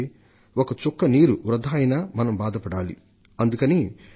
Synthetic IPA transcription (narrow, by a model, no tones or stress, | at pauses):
okɐt͡ʃɔkːɐniːɾuʋɾɐd̪ʱaːjnaːmɐnɐmbaːd̪ʱɐpɐɽaːlḭ | ɐnd̪ukɐni